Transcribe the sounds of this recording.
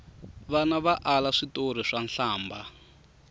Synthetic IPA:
βanaβaʔalaʂitor̤iʂanɬaːmba

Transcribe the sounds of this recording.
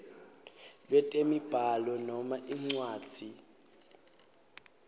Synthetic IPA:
lwɛtʼemib̥ʱalɔnɔmaʔiŋ͡ǀwaːd̥d̥ʱi

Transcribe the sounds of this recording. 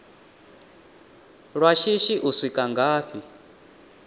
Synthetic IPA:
ɺwaʃiʃiʔusʷikʼaŋɡaːɸi

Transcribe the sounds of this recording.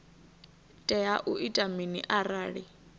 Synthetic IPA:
tʼɛaʔuʔitʼaminiʔaraːɺi

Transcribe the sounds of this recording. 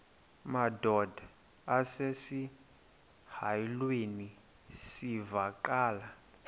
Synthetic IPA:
madɔdʱa | asesi | hajilweni | sivaǃaːla

